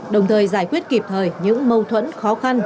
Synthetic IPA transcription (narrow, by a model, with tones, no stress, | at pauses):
ɗə˨˩wŋ͡mt̪ʰəː˨˩jzaː˧˩jkwi˦˥ət̚ki˨˩p̚t̪ʰəː˨˩jɲɨ̰˧˥ŋmə˧wt̪ʰwə̰˧˥nxɔ˨˦xa˧n